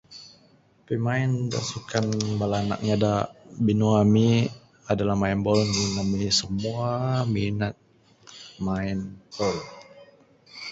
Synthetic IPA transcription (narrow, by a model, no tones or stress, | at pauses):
pimainda̰sukanbalana̰k̚ɲadabinuami | adalahmainbɔlɲinamisəmuaminat̪̚ | mainpɔl